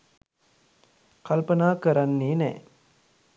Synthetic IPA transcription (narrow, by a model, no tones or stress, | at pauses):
kalpənaːkəɾanːiːnɛ̰ː